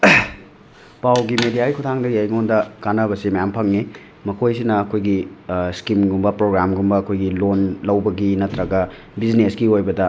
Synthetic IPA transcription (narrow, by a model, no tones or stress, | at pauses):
pawɡimedijaɡikʰutʰaŋdɐjajŋondɐkanɐβɐsimɐjampʰɐŋni | mɐkʰojsinɐːkʰojɡiskimɡumbɐpɾoɡɾamɡumbɐɐkʰojɡilonlɐwbɐɡinɐtɾɐɡɐ | biznesɡiojbɐdɐ